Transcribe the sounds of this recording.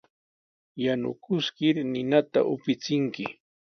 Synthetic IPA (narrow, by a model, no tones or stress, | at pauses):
janʊ̰kʊskɪɾnɪnat̪a̰ʔʊ̰pɪt͡sɪŋkɪ